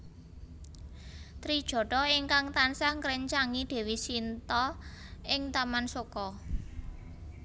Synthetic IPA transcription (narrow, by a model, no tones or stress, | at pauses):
t̪ɾid̥ʒ̥ɔ̤ɖɔiŋkaŋt̪ansaŋkɾɛɲt͡ʃaŋid̪̥e̤wisint̪ɔ | ɪŋt̪amansokɔ